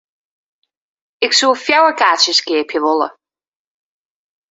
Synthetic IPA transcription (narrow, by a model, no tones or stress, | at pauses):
ɪksuːfjawəɹkat͡ʃəskeːpʰjəvɔlə̰